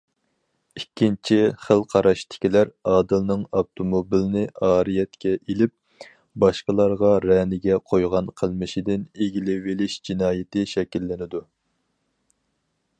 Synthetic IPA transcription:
ikʲːint͡ʃʰiχəlˠqʰɑɾɑʃt̪ʰɪ̥kʲilæɾɑːd̪ɨlˠnɨŋɑbt̪ʰomobilnɪʔɑːɾijɛt̪kʲɛʔelɪp̚ | bɑʃqəlˠɑɾʁɑɾɛnɪɡʲɛqʰojʁɑnqʰəlˠmɨʃid̪ɪneɡʲilɪvɪlɪʃd͡ʒinɑːjɪt̪ɪʃɛkʲilːɪnɪd̪u

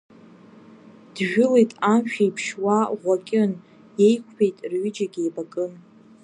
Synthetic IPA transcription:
d̥ʒᶣʊlejtʼamʃᶣaipʰʂwaʁʷakʲʼɪn | je̞jkʷʰpʰe̞jtʼrɥɪd͡ʒaɡʲebakʼɨn

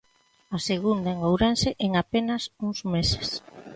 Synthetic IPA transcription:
aseɣund̪aeŋowɾanseʔeŋapenɐsuŋzmese̥s

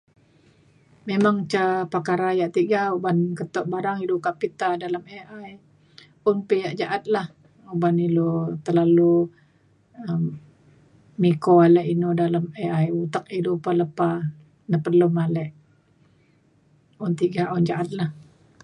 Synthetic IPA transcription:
memaŋt͡ʃapakaɾajaʔt̪iɡaubankət̪ɔʔ̚baɾaŋilukapit̪adalameʔaj | ʊnpəjaʔd͡ʒaʔat̪̚lah | ubanilot̪ərlalu | əm | ikoalɛʔinudalameajut̪ak̚ilupaləpa | nəpərlumalɛʔ | ʊnt̪iɡaʔʊnd͡ʒaʔat̪̚lah

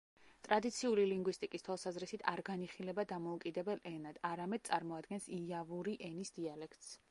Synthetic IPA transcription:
t̪ʼɾad̪it̪sʰiuliliŋɡwist̪ʼikʼist̪ʰwalˠsazɾisit̪ʰaɾɡaniχilɛbad̪amɔukʼid̪ɛbɛlʔɛnad̪̥aɾamɛd̪̥̚t̪sʼaɾmɔad̪ɡɛnsiavuɾiʔɛnisd̪̥ialɛkʰt̪ʼs

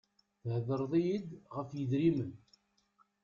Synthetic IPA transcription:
θəhðəɾˤðˤijid̪ʁəfjəðɾimən

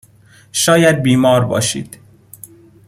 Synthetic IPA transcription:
ʃɒːjæd̪̚biːmɒːɾbɒ̰ːʃḭːd̪̥

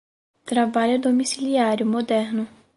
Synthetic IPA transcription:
t̪ɾabaʎʊd̪omisiliaɾjʊmod̪ɛɾnʊ

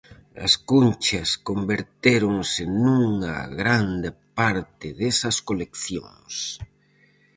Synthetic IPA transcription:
ɐ̰skunt͡ʃɐskombeɾt̪eɾoŋsɪnuŋɐ̰ɣɾand̪epaɾt̪ɪðesɐskolekθjo̰ŋs

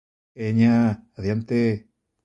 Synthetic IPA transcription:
eɲaaðjant̪e

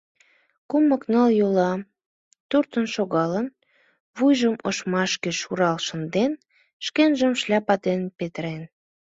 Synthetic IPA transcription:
kuməknəljolɑ | t̪urt̪ənʃoɣɑlən | βujʒəmoʃmɑʃkeʃuɾɑlʃə̆nd̪en | ʃkenʒəmʃlʲɑpɑt̪enpet̪əɾen

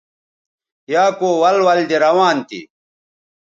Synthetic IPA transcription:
jaːkoːwɐlwɐld̪eɾɐwaːnt̪ḭ

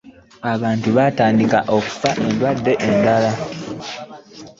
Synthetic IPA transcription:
aβaːntuβataːndikaʔo̞ku̥faʔelwadːe̞ʔendala

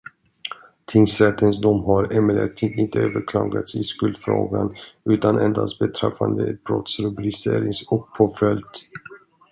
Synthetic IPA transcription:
t̪ʰɪŋsɾɛt̪ʰːənsd̪ɔmɦaɾɛmɛlɛ̰kt̪ʰɪd̪ɪnt̪əøːvəɾkʰlɑːɡat̪sɪskɵld̪fɾo̰ːɡanʉ̟ːt̪anʔɛnd̪ast̪bɛt̪ʰɾɛfːand̪əɛt̪̚bɾɔ̰t̪sɾɔbɪlɪseːɾɪŋsɔk̚pʰoːfɛlt̪

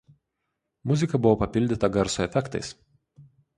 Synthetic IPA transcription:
mʊzʲɪkɐbʊʋopɐpʲɪlʲd̪ʲɪt̪ɐɡɐɾsʊɛfʲɛkt̪ɐɪs

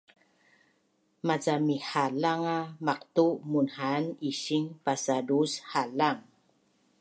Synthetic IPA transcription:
mazamihalaŋamaq̚tumunhaniɕiŋpasadushalaŋ

